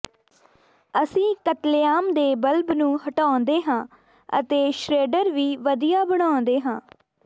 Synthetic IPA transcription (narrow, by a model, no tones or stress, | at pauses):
əsĩːkət̪leaːmd̪eːbəlbnũːhəʈaːnd̪eːɦãː | ə̰t̪eːʃɾeːɖəɾʋiːʋəd̪ijaːbəɽ̃aːʊnd̪eːɦãː